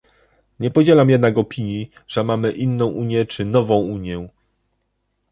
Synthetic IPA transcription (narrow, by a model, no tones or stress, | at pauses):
ɲɛpɔd͡ʑelamjɛd̪nakɔpʲiɲji | ʐ̥ɛmamɘʔinːɔ̃w̃ʔuɲjɛt͡ʂɘnɔvɔ̃w̃uɲjɛ